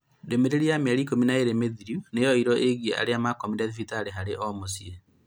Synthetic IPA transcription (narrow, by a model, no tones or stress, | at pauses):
demeɾeɾiameaɾiːkominaeɾemeðiɾunejɔiɾɔʔeɣieʔa̰ɾeamakomidaðifitaɾeɦaɾeʔɔmosie